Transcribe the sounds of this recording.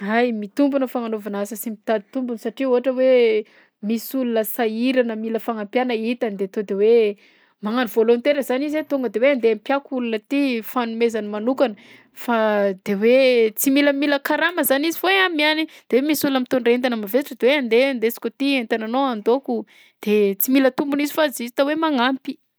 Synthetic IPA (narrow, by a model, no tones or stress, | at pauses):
ajmit̪umbunəfaŋanovanasəsimit̪ad̪i̥t̪umbunsaʈ͡ʂiuɦaʈ͡ʂəwe | misulunəsaiɾanəmiləfaŋampjanəit̪anid̪eat̪od̪ewe | maŋanivolont̪eɾəzanizet̪oŋɡəd̪eweand̪eampjakulunət̪ifanumezanimanukanə | fad̪̥ewet͡similəmiləkaɾaməzanizivoeamianid̪̥ewemisulunamit̪onreent̪̬anəmavezaʈ͡ʂəd̪eweand̪eand̪et͡si̥kʲot̪ient̪ananoand̪oku | d̪̥et͡similət̪umbunizifazizit̪awemaŋampi̥